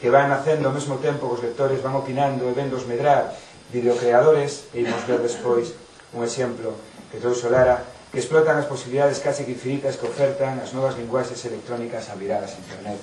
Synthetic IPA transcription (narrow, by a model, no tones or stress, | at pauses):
keβanaθend̪omezmot̪empokozlek̚t̪oɾezβaŋopinãnd̪oeβend̪ozmeɣɾaɾ | d̪iðokɾeað̞oɾeseimozβeɾðespojs | uŋeʃemploket̪ɾowsolaɾakesplɔt̪aŋasposiβiliðað̞eskasikiɱfinit̪askeofɛɾt̪aŋaznɔβ̞azliŋɡwaʃeselek̚t̪ɾonikɐsaβiɾaðɐsent̪ernɛt̪